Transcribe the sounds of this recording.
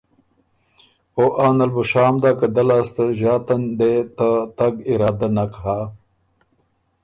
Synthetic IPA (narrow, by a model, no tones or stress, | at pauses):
oʔaːnɐlbuʂaːmd̪akɐd̪ɐlast̪əʑaːt̪ɐnd̪et̪at̪ɐɡiɾaːd̪anakɦa